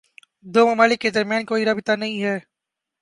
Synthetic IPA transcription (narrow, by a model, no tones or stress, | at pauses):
d̪oːmɐmaːlɪkːed̪ɐɾmjaːnkoːiɾaːbɪt̪anɐɦĩɦɛː